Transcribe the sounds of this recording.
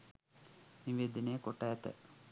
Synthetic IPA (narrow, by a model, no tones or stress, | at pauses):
niʋeːd̪inejəkoʈːaɛt̪ə̰